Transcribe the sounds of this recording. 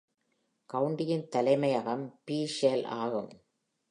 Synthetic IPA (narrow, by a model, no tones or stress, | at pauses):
kɐʋʊɳɖɪjɪnt̪ɐlɐɪmɐjɐɣɐmpiːʂela̰ːɣɯm